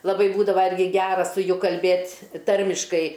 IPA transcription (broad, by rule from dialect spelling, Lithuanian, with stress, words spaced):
lˠɐˈbɐɪ ˈbuːdɐʋɐ ˈɪrʲɡʲɪ ˈɡʲæːrɐ sʊ ˈjʊ kɐlʲˈbʲeːtʲ ˈtɐrʲmʲɪʃkɐɪ